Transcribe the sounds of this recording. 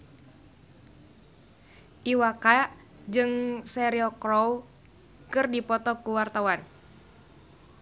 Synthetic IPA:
ʔiwaka | d͡ʒɨŋsɛɾiɔkɾɔw | kɨrdipɔt̪ɔp̚kuwart̪awan

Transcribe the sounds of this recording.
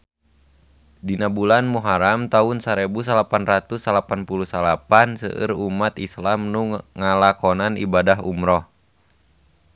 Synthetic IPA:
dinabulanmuɦaɾamt̪aunsaɾebus̬alapanrat̪usalapanpulusalapansə̰ʔɨ̰rumat̪islamnuŋŋalakɔnanibadaɦṵmɾɔh

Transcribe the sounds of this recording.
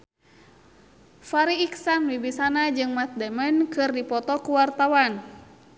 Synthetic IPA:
faɾiːksanwibisanad͡ʒɨŋmat̪̚dɛmənkɨrdipɔt̪ɔkuwart̪awan

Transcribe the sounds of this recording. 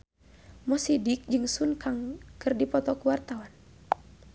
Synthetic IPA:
mɔsidik̚d͡ʒɨŋsunkaŋkɨrdipɔt̪ɔkuwart̪awan

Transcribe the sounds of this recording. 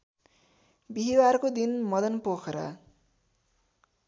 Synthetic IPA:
biɦiwarkod̪inmʌd̪ʌnpokʰɾʌ̰

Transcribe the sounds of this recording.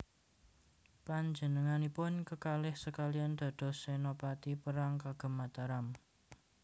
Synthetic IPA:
paɲd͡ʒənəŋanipʊnkəkalɪhsəkaliand̪̥a̤d̪̥ɔ̤senopat̪ipəɾaŋkaɡ̥ə̤mːat̪aɾam

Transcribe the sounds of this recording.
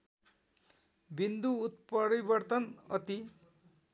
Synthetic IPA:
bind̪uːt̪̚pʌɾibʌrt̪ʌnʌ̰t̪i

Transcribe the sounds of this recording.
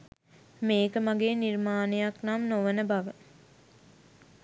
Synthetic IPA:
meːkəmaɡeːnirmaːnejaknamnoʋənəbaʋə

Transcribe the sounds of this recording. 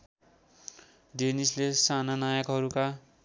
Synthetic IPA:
denislesananajakɦʌɾuka

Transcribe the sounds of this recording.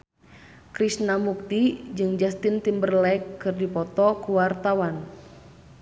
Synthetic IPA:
kɾisnamuk̚t̪id͡ʒɨŋd͡ʒast̪int̪imbərlɛkːɨrdipɔt̪ɔkuwart̪awan

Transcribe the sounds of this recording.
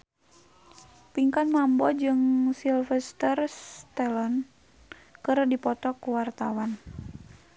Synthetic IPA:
piŋkanmambɔd͡ʒɨŋsilfɛst̪ərst̪ɛlɔn | kɨrdipɔt̪ɔkuwart̪awan

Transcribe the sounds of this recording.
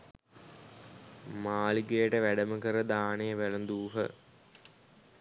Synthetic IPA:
maːliɡejəʈəʋæɖəməkəɾəd̪aːneʋælənd̪uːɦə̰

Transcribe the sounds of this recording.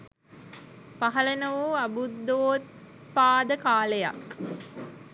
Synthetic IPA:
paɦɐlenəʋuːɐbud̪ːoːt̪̚ | paːd̪əkaːleja̰k

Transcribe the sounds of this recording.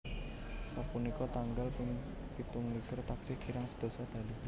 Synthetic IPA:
sapunikɔt̪aŋɡalpɪŋ | pit̪uŋlikərt̪aksɪkʰiɾaŋsəd̪̥o̤sad̪̥a̤li

